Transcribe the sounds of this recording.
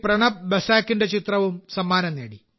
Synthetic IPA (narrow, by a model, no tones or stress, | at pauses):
prɐɳɐbɐsaːkːinde̞t͡ɕit̪rɐʋumsɐmːaːnɐnːeːɽi